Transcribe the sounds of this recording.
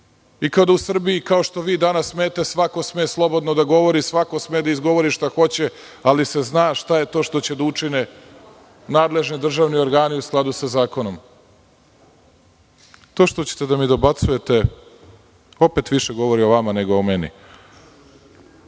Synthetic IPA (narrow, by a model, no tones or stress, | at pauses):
ikad̪ausr̩biikao̞ʃt̪o̞ʋiːd̪anasːmeːt̪e̞sʋako̞smeːslˠo̞bo̞d̪nod̪aɡo̞ʋo̞ɾisʋako̞smeːd̪aizɡo̞ʋo̞ɾiʃt̪axo̞t͡ɕe | aliseznaːʃt̪ajet̪o̞ːʃt̪o̞t͡ɕed̪aut͡ʂine | naːd̪le̞ʒnid̪r̩ʒaːʋnio̞ɾɡaːniusklˠad̪usazaːkonom | t̪o̞ːʃt̪ot͡ɕe̥t̪ed̪amid̪o̞bat̪suje̞t̪e̞ | o̞pet̪ʋiʃeɡo̞ʋo̞ɾio̞ʋamaneɡoomenḭ